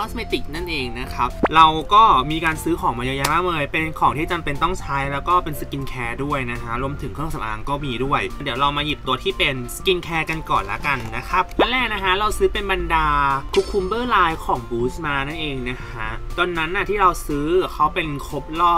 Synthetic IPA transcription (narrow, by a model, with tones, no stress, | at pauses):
ɔː˦˥sme˦˧˥t̪i˨˩k̚na˥˩nʔeː˧ŋna˦˥kʰa˦˥p̚ɾa˧wkɔː˥˩miː˧kaː˧nsɯː˦˥kʰɔː˨˩˦ŋmaː˧ja˧jaː˧maː˥˩mɤː˧jpe˧nkʰɔː˨˩˦ŋt̪ʰiː˥˩t͡ɕa˧mpe˧nt̪ɔ˥˩ŋt͡ɕʰaː˦˥jlɛː˦˥wkɔː˥˩pe˧nsɯ˧˦ki˧nkʰɛː˧du˥˩əjna˦˥kʰa˦˥ʔɾu˧əmt̪ʰɯ˨˩˦ŋʰɯ˥˩˨sa˨˦ʔa̰ː˧ŋkɔː˥˩miː˧du˥˩əjdi˨˩˦wɾa˧wmaː˧ji˨˩p̚t̪u˧ɐt̪ʰiː˥˩pe˧nski˧nkʰɛː˧ka˧nkɔː˨˩nla̰˦˥ka˧nːa˦˥kʰa˦˥p̚ːʰa˧˥nlɛː˥˩k̚na˦˥kʰa˦˥ɾa˧wsɯː˦˥pe˧nba˧ndaː˧kʰu˦˥kʰːu˧mbɤː˥˩laː˧jkʰɔː˩˦ŋbuː˦˥smaː˧na˥˩nʔeː˧ŋna˦˥kʰa˦˥ʔt̪ɔ˧nːa˦˥nːʔːa˨˩t̪ʰiː˥˩ɾa˧wsɯː˦˥kʰa˦˥wpe˧nkʰo˦˥p̚lɔː˥˩